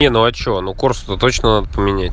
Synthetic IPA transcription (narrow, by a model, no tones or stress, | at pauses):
enuɐt͡ɕɪonukorsut̪ət̪o̞t͡ɕnənad̪əpəmʲɪnʲætʲ